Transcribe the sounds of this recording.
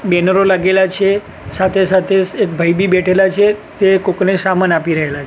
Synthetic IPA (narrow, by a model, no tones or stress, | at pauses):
bɛnəɾolaɡelat͡ʃʰe | sat̪ʰesat̪ʰeek̚bʱəjbibɛʈʰelat͡ʃʰet̪ekoknesamanapiɾəɦelat͡ʃʰe